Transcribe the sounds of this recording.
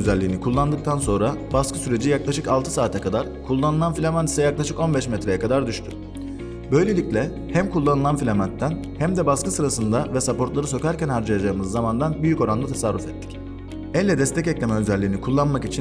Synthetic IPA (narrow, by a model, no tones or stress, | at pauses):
øzælʲːiːnikʰulˠːand̪ɯk̚t̪ʰanso̞nɾabaskʰɯsyɾe̞d͡ʒijaklˠaʃɯkalˠt̪ʰɯsaːt̪ʰɛkʰad̪aɾ | kʰulˠːanɯlˠanfilʲamani̥sɛjaklˠaʃɯko̞nbɛʃmɛt̪ɾe̞jɛkʰad̪aɾd̪yʃt̪ʰy̰ | bø̞jlʲe̞lʲicʲlʲɛ | hæmkʰulˠːanɯlˠanfilʲamant̪ʰːæn | hæmd̪ɛbaskɯsɯɾasɯnd̪avɛsapo̞ɾt̪lˠaɾɯso̞cæɾcænhaɾd͡ʒajad͡ʒaːɯmɯzːamand̪anbyjyco̞ɾand̪at̪ʰasaɾːufɛt̪ʰːi̥c | ɛlʲːɛd̪ɛst̪ʰɛcɛclʲemɛøzɛlʲːiːnikʰulˠːanmakit͡ʃʰin